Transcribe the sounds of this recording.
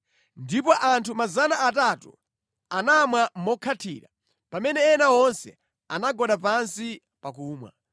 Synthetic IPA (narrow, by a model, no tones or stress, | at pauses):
ndipɔʔantʰumazanaːtatṵ | anamwamɔkʰatʰiːɾa | pamɛnɛːnawɔnsɛ̰ | a̰naɡɔɗap̬ansi | pakuːmwa̰